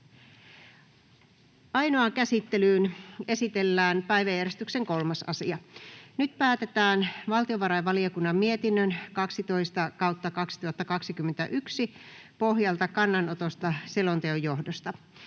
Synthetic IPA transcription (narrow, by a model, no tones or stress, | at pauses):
ʔɑjnoɑkæsit̪ːelyːne̞sit̪e̞lːæːnpæjʋæjːæɾrest̪ykseŋko̞lmɑsɑ̰siɑnyt̪pæːt̪et̪æːnʋɑlt̪ioʋɑɾɑjʋɑliokunːɑmmiet̪inːønkɑksit̪o̞ist̪ɑkɑwt̪ːɑkɑksi̥t̪uhɑt̪ːɑkɑksikymːent̪æʔyksipo̞ɦjɑlt̪ɑkɑnːɑnot̪ost̪ɑselont̪eojːo̞hdost̪ɑ